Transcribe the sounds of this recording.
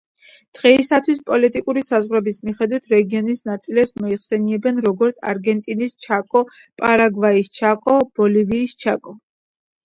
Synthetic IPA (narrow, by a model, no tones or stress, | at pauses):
d̪̥ʁɛisat̪ʰwispʼɔlit̪ʼikʼuɾisazʁɾɛbismiχɛd̪wit̪ʰɾɛɡiɔnisnat̪sʼilɛpsmɔiχsɛniɛbɛnɾɔɡɔɾt̪sʰa̰ɾɡɛnt̪ʼinist͡ʃʰakʼɔ | pʼaɾaɡvaist͡ʃʰakʼɔb̥ɔliviːst͡ʃʰakʼɔ